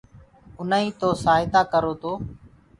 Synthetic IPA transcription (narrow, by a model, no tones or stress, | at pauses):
ʊnaːĩːt̪oːsaːɦɪt̪aːkəɾoːt̪ʰoː